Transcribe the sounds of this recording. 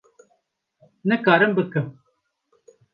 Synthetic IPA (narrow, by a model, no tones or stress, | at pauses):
nɨkaːɾɨmbəkəm